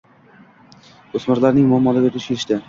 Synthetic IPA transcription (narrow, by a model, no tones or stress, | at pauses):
osmaɾlaɾnɪŋmʊamːɒlaɡʲat̪ʰɪʃeɪʃt̪ɪ